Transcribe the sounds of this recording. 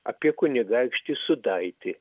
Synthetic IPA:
ɐ̰pʲiɛkʊnʲɪɡaɪkʃʲt̪ʲɪsʊd̪aɪt̪ʲɪ

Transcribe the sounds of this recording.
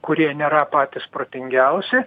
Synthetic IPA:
kʊɾʲiɛnʲeːɾɐpɑːt̪ʲɪspɾoːt̪ʲɪŋʲɡʲɛʊsʲɪ

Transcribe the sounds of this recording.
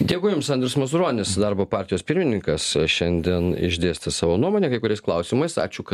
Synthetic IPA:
d̪ʲeɛɡʊjʊmsɐnd̪ʲɾʲɪsmɐzʊɾoːnʲɪsd̪ɑɾboːpɑːɾʲt̪ʲɪjoːspʲɪɾʲmʲɪnʲɪŋkɐsʃʲɛnʲd̪ʲiɛnɪ̰ʒʲd̪ʲeːsʲt̪ʲɪsɑːʋoːnuɔmoːnʲeɛkɐɪkʊɾʲɛɪsklˠɐʊsʲɪmɐɪsɑ̰ːt͡ʃʲukɐt̪

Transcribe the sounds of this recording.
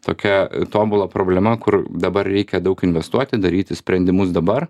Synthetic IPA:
t̪o̰ːkʲɛt̪oːbʊlˠɐpɾoːbʲlʲɛmɐkʊɾd̪ɐbɐrɾʲɛɪkʲɛd̪ɐʊkɪnʲʋʲɛst̪uɔt̪ʲɪd̪ɐɾʲiːt̪ʲɪsʲpʲɾʲɛnʲd̪ʲɪmʊsd̪ɐbɐr

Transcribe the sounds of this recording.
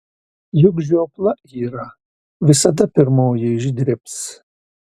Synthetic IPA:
jʊɡʒoɔplˠɐʔiːɾɐ | ʋʲɪsɐd̪ɐpʲɪɾmoːjɛʒɪd̪ʲɾʲɪps

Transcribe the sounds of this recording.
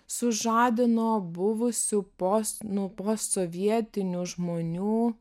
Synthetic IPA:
sʊʒɑːd̪ʲɪnoːbʊʋʊsʲʊposnʊpoːssoːʋʲiɛt̪ʲɪnʲuʒmoːnʲuː

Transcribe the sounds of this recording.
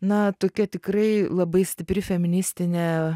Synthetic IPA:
nɐt̪oːkʲɛt̪ʲɪkrɐɪlˠɐbɐɪsʲt̪ʲɪpʲɾʲɪfʲɛmʲɪnʲɪsʲt̪ʲɪnʲɛ

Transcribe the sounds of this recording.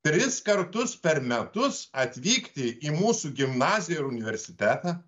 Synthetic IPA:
t̪ʲɾʲɪskɐɾt̪ʊspʲɛɾmʲɛt̪ʊsɐt̪ʲʋʲiːkt̪ʲɪimuːsuːɡʲɪmnɑːzʲɪjoːɪɾʊnʲɪʋʲɛɾʲsʲɪt̪ʲæːt̪ɑː

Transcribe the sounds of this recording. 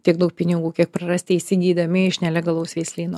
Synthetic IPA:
t̪ʲiɛɡ̚d̪ɐʊk̚pʲɪnʲɪɡuːkʲiɛk̚pɾɐɾɐsʲt̪ʲɪisʲɪɡʲiːd̪ɐmʲɪɪʃnʲɛlʲɛɡɐlˠoʊsʋʲɛɪsʲlʲiːnuː

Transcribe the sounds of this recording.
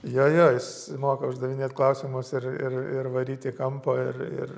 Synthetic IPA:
joːjoːjɪs | moːkɐʊʒd̪ɐʋʲɪnʲeːt̪klˠɐʊsʲɪmʊsɪrɪ̰rɪrʋɐɾʲiːt̪ʲɪkɐmpoːɪrɪ̰r

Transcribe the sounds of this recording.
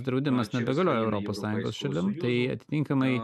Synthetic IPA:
d̪ɾɐʊd̪ʲɪmɐsnʲɛbʲɛɡɐlʲoːjoːɛʊɾʔoːpoːssɑːjʊ̃ŋɡo̰ːsʃɐlʲɪmt̪ɐɪɐ̰t̪ʲɪ̥t̪ʲɪŋkɐmɐɪ

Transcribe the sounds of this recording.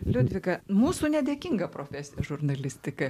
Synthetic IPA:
lʲʊd̪ʲʋʲɪkɐmuːsuːnʲɛd̪ʲeːkʲɪŋɡɐpɾoːfʲæːsʲɪjɛʒʊrnɐlʲɪsʲt̪ʲɪkɐ

